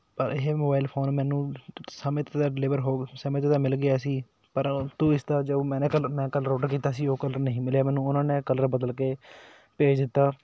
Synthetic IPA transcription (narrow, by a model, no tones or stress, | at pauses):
pəɾɪɦeːmoːbaːɪlpʰoːnmɛ̃ːnũːsəmẽːt̪ed̪aːɖɪlɪːʋəɾɦoːsəmẽːt̪eːd̪aːmɪlɡɪaːsiː | pəɾt̪uːɪst̪aːd͡ʒəmɛ̃ːnẽːkəlmɛ̃ːkələɾoːʈəɾkiːt̪aːsiːoːkələɾnəɦĩːmɪljaːmɛːnũːʊnãːneːkələɾbəd̪əlkeː | peːd͡ʒd̪ɪt̪ːaː